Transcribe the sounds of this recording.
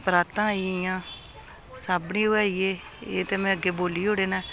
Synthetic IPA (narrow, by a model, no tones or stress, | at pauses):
pɾaːt̪ãːiɪjãː | saːbniːoːaːieː | ḛːt̪eːmɛ̃ːəɡeːboːliːɦoːɽeːnɛː